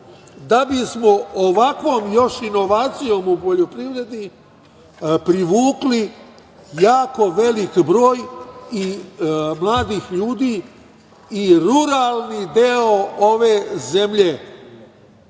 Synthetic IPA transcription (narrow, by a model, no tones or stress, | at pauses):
d̪abismo̞oʋakʋo̞ːmjo̞ʃino̞ʋaːt̪sijo̞ːmupo̞ʎo̞pɾiʋɾe̞d̪i | pɾiʋuːkli | jaːko̞ʋe̞likbɾo̞ːji | mlaːd̪iːxʎuːd̪iː | iɾuɾaːlˠnid̪eoo̞ʋe̞ːze̞mʎe